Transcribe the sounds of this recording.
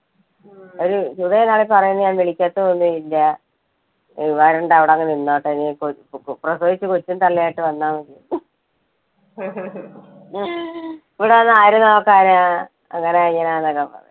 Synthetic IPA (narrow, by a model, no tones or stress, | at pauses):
oɾusuðɐenːaːɭepɐrɐjunːɐɲaːnʋeɭikʲːaːt̪ːɨonːuinde | iʋaːɾeɳɖɨɐʋiɽeɐŋːɐneinːaːʈːɐniprɐsoːʋit͡ɕːɨkot͡ɕːunt̪ɐlːijaːjiʈːɨʋɐnːaːmekej | iʋiɽeɐnːaːjiɾunaʋkːaːɾɐa | ɐŋːɐneaiɲːaːnaːnːɐkːɐpːɐ̰ðḛ